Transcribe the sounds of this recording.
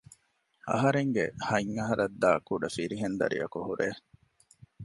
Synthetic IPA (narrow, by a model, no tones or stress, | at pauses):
ɐ̰ɦɐɾeŋɡḛhɐŋːɐɦɐɾɐd̪ːaːkuɖɐfiɾiɦend̪ɐ̰ɾḭjɐkuhuɾeː